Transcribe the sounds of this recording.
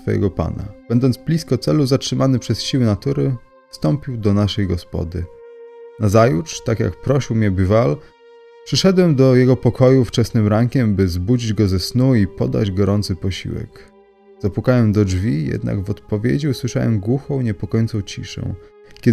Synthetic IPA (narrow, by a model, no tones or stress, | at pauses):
sfɔjɛ̰ɡɔpa̰na̰b̥ɛnd̪ɔnt̪sb̥lʲiskɔt̪sɛluzatʂɘmʔanɘpʂɛsɕiwɘnat̪uɾɘ | fst̪ɔmpʲiwd̪ɔnaʂɛjɡɔspɔ̰d̪ɘ | nazajutʂt̪akʲja̰kpɾɔɕiwmɲɛbʲival | pʂɘʂɛd̪wɛmd̪ɔjɛɡɔpɔkʰɔjuft͡ʂɛsnɘmɾaŋkʲɛmbɘzbud͡ʑid͡ʑɡɔzɛsnuipɔ̰d̪a̰d͡ʑɡɔɾɔnt̪sɘpɔɕḭwɛ̰k | z̥apwukawɛmd̪ɔʐvʲijɛ̰d̪na̰ɡvɔt̪pɔvʲjḛd͡ʑiuswɘʂa̰wɛ̰mɡwuxɔ̃w̃ɲɛpɔkɔjɔnt̪sɔ̃w̃t͡ɕḭʂɛ̰̃w̃ | kʲɛ